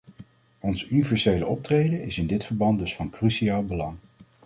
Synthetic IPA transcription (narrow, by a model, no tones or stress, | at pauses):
ɔnzynivɛɹsejləʔɔp̚trejdənɪsɪndɪtfəɹbɑnt̚dɵsfɑnkrysiaːlˠbəlɑŋ